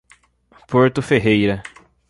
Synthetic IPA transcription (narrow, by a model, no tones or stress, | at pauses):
poɾt̪ʊfeɦejɾɐ